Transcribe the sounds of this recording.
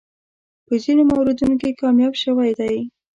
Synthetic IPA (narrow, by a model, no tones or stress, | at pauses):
pəzinomawɾed̪unokekɑmjɑbʃəwajd̪aj